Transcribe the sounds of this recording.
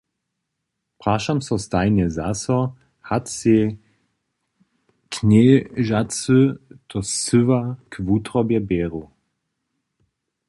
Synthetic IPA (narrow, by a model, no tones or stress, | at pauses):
pʁaʃamsɔst̪ajnɛzasɔ | hat̪se | kʰneːʒat͡søtɔsʏvakʰvut̪ʁɔbjɛbɛːʁu